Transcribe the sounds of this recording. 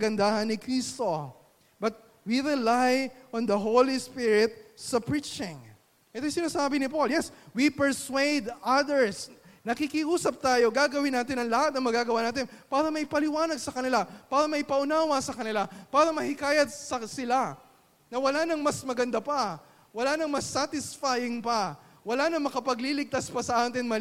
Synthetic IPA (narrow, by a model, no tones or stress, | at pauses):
ɐɡɐnd̪ahɐnːɪkɾist̪o̞ | bɐt̪̚ | wiɾɪlajʔond̪ɐɦowlispiɹɪt̪̚sɐpɹit͡ʃɪ̃ŋ | ʔɛt̪ojsɪnaːsaːbɪnɪpoljɛswipɛɹswejd̪ɐd̪ɛɹsnɐkɪkɪʔuːsɐp̚t̪aːjo̞ɡaɡɐwɪnːaːt̪ɪnɐŋlɐhat̪̚nɐŋmɐɡaɡɐwaːnaːt̪ɪnpaːɾɐmɐjpɐlɪwaːnɐɡ̚sɐkɐnɪlapaːɾɐmɐɪpɐʔʊnaːwɐsɐkɐnɪlapaːɾɐmɐhɪkaːjɐd̪̚sɐsɪla | nɐwɐlanɐŋmɐsmɐɡɐnd̪apɐ | wɐlanɐŋmɐsːat̪ɪsfajɪŋpɐ | wɐlanɐŋmɐkɐpɐɡlilɪɡ̚t̪aspɐsɐʔaːt̪ɪŋmɐl